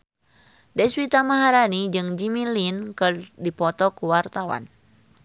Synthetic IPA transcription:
dɛswit̪amaɦaɾanid͡ʒɨŋd͡ʒimilinkɨrdipɔt̪ɔkuwart̪awa̰n

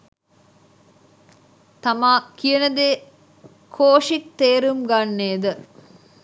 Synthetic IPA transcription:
t̪ɐmaːkijənəd̪eː | kʰoːʂik̚t̪eːɾumɡanːeːd̪ə

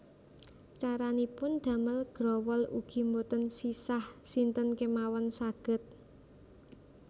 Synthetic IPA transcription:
t͡ʃaɾanipʊnd̪̥ä̤məlɡ̥ɾɔwɔlṵɡ̥i̤mbot̪ənsisahsint̪ənkemawɔnsaɡ̥ə̤t̪̚

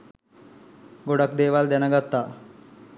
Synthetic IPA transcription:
ɡoɽakd̪eːʋald̪ɛnəɡat̪ːaː

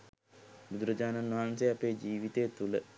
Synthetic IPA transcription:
bud̪uɾəd͡ʒaːnanʋɐɦanseapeːd͡ʒiːʋit̪ejːt̪ulə

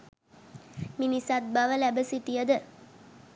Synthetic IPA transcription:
minisɐt̪̚bɐʋəlæbəsit̪ijɐd̪ɨ

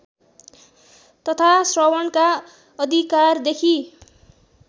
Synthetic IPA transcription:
t̪ʌt̪ʰasrʌwʌnka | ʌd̪ʱikard̪ekʰi

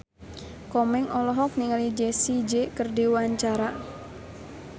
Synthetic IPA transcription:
kɔmɛŋɔlɔɦɔk̚niŋalid͡ʒesid͡ʒekərdiwaɲt͡ʃaɾa

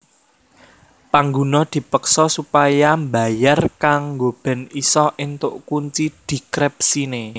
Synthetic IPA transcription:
paŋɡunɔd̪̥i̤pəksɔsupajamba̤jarkaŋɡob̥ɛ̤nisɔʔint̪ʊʔkuɲt͡ʃid̪̥i̤kɾɛp̚sine

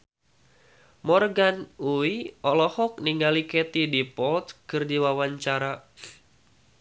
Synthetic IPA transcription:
mɔrɡanuiɔlɔhɔk̚niŋɡalikɛt̪idipɔlt̪̚kɨrdiwawaɲt͡ʃaɾa

